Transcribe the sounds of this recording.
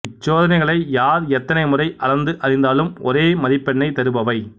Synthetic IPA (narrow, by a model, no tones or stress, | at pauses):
t͡ʃːoːðɐnɐɪɣɐɭɐɪjaːɾɛt̪ːɐnɐɪmʊrɐɪʔɐlɐɾnd̪ɯʔɐɾɪnd̪aːlɯmɔ̰ɾeːmɐðɪpːɛɳːɐɪt̪ɐɾɯbɐʋɐɪ